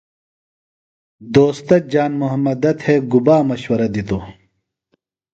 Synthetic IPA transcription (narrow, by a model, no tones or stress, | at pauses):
d̪oːst̪ɐd͡ʑaːnmuɦɐmːɐd̪ɐt̪ʰheːɡubaːmɐɕwɐɾɐd̪it̪o